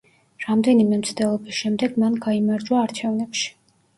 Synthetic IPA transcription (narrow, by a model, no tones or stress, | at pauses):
ɾamd̪ɛnimɛmt̪sʰd̪ɛlˠɔbisʃɛmd̪ɛɡmanɡaimaɾd͡ʒwaːɾt͡ʃʰɛvnɛpʃi̥